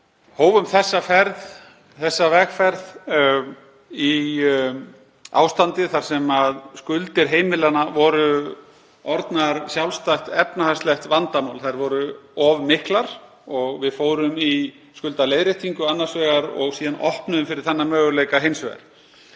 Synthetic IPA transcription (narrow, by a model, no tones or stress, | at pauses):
hoːwvʏmθɛsːafɛɾð | θɛsːavɛxfɛɾð | i | a̰ːwst̪ant̪ɪθaɾ̥sɛmaðskʏlt̪ɪɾ̥ɦeːjmɪlanavɔɾʏ | ɔɾt̪naɾsjawlst̪ajht̪ɛpnahast̪lɛxt̪vant̪amawlθajɾvɔɾʏɔvmɪhklaɾ̥ | ɔɣvɪðfoːwɾʏmi | skʏlt̪alejðɾeht̪ʰiŋkʏanːaɾsvɛːɣaɾɔ̰ɣsiːðanʔɔhpnʏʏmfɪɾɪɾ̥θanːamœːɣʏlejkaɦejnsvɛɣa̰ɾ̥